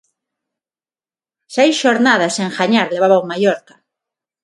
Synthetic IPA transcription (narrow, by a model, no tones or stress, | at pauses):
sejsʃoɾnað̞asẽŋxaɲaɾleβ̞aβawmajoɾkḁ